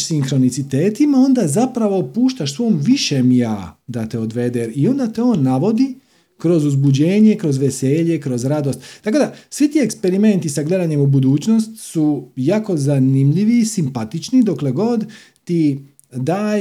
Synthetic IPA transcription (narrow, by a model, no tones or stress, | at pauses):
siŋxɾo̞nit̪sit̪eːt̪imao̞nd̪azapɾaʋo̞puːʃt̪aʃsʋo̞ːmʋiʃemjaːd̪at̪eod̪ʋe̞d̪eɾio̞nd̪at̪eo̞ːnːaʋo̞d̪i | kɾo̞zuzbud͡ʑe̞ːɲe̞kɾo̞zʋeseːʎe̞kɾo̞zɾad̪ost̪t̪ːako̞d̪asʋit̪iekspeɾime̞nt̪isaɡle̞d̪aɲe̞mubud̪uːt͡ʃno̞st̪sujaːko̞zanimʎiʋiːsimpat̪it͡ʃnid̪o̞kle̞ɡo̞d̪ | t̪i | d̪aː